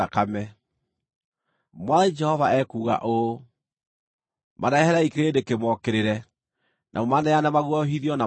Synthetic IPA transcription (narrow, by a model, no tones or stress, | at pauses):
akamɛ | mwaðad͡ʒɛhɔvaɛkuːɣa̰ʔo | maɾaɛhɛɾaikeɾeːdekemwɔkeɾeɾɛ | nʔa̰momanɛanamaɣwɔɦiðiɔna